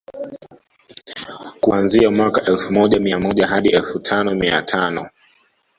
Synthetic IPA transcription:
kuanziamwakaʔɛlfumɔʄamiamɔʄaɦaɗiɛlfutʰanɔmia̰tʰanɔ

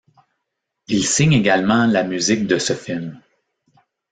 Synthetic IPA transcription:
ilsɪɲeɡalmɑ̃lamyzɪk̚d̪əsəfɪlm

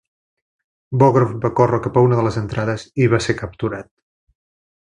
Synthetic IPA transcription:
bɔɣɾəfbakorəkapəunəðələzənt̪ɾað̞əziβasekəp̚t̪uɾat̪̚

